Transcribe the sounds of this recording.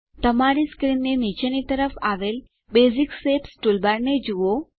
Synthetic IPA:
t̪əmaɾiskɾinːenit͡ʃenit̪əɾəfʰaʋel | beziksepsʈulbaɾned͡ʒuʋo

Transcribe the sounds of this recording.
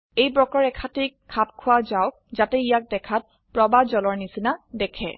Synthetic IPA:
ejbɹɔkɔɹɛkʰatikʰːap̚kʰʊwazaʊ | zatɛijak̚dɛkʰat̚ | pɹɔbazɔlɔɹnisinadɛkʰɛ̰

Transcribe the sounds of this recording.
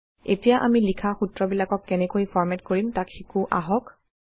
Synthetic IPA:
etijaʔamilikʰaxutɹɔbilakɔkːɛnɛkojpʰɔɹmɛtkoɹimtakxikʊʔa̰ɦɔk

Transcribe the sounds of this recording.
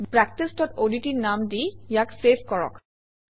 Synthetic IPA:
pɹɛk̚tistɔtoditiɹnamdijaksepʰkɔɹɔ̰k

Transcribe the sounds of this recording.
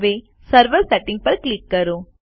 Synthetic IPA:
ʋeː | sɐɾʋɐɾsɛʈːɪ̃ŋɡ̚pɐɾklɪkːɐɾũ

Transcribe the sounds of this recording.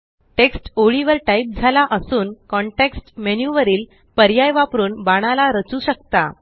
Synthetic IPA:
ʈeksʈoɭiʋəɾʈaip̚d͡zʱalaʔəsuːnkɔɳʈeksʈmenjuʋəɾiːl | pəɾjajʋapɾuːnbaɽ̃alaɾət͡suɕək̚t̪a̰

